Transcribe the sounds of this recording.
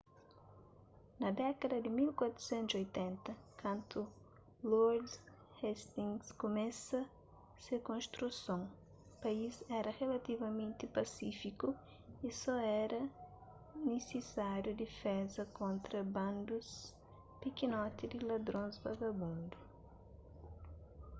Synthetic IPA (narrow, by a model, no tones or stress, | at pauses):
nɐd̪ɛkɐd̪ɐd̪imilkwat̪ɾu̥sɛ̃nt̪uzojt̪ɛ̃nt̪ɐkʰɐ̃nt̪ʰu | lɔɾd | hɛst̪ĩŋɡskomɛ̃sɐ | sekõst̪ɾusõŋ | paizɛɾɐʁelɐt̪ivɐmẽnt̪ipɐsifiku | isɔɛɾɐ | nesesaɾjud̪ifɛzɐkõnt̪ɾɐbɐ̃nd̪us | pikinɔt̪id̪ilɐd̪ɾõzbaɡɐbũnd̪u